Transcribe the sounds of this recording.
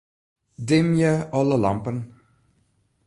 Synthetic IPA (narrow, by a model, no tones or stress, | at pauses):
dɪmjəɔləlɑmpən